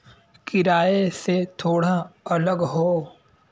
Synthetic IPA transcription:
kɪɾaːeset̪ʰoːɽaɐləɡɦoː

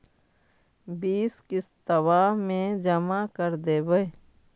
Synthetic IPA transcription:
biːskɪst̪əwaːmẽd͡ʒəmakəɾd̪eːbəe

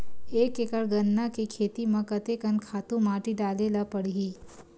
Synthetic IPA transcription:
eːkekəɽɡɐnːakikʰeːt̪imɐ̃kɐt̪ekənkʰaːt̪ũmaːʈiɖaːlelapɐɽɦiː

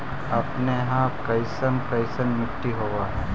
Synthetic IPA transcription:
ɐpneɦãkɐɪsənkɐɪsənmɪʈːiɦoːʋaːɦɛ

